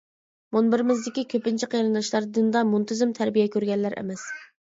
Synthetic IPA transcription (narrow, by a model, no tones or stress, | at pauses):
munbɪɾɪmɪzd̪ɪkʲikʲʰøpɪnt͡ʃʰiqʰeɾɨnd̪ɑʃlˠɑɾd̪ɨnd̪ɑmunt̪ʰɪzɪmt̪ʰæɾbijɛkʲøɾɡʲɛnːæɾʔɛ̰mɛs